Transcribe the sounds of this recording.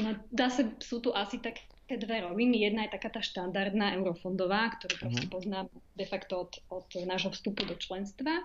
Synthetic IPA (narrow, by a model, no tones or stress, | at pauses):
nɔd̪aːsasut̪uʔasit̪ak | ɛːd̪ʋɛɾɔʋinijɛd̪najɛt̪akaːt̪aːʃt̪and̪aɾd̪naːʔɛʊɾɔfɔnd̪ɔʋaːkt̪ɔɾuːpɾɔscɛpɔznaːmd̪ɛfakt̪ɔɔt̪ɔt̪naːʒɦɔfst̪upud̪ɔt͡ʃlɛnst̪ʋa